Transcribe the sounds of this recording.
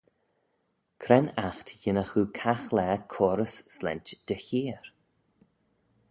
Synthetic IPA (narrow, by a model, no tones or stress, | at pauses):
kʰɾɛnaxt̪jɪnəxuːkʰaxlɛːkʰɔːɾəsːlɛ̰ntd̪̥əçiːɾ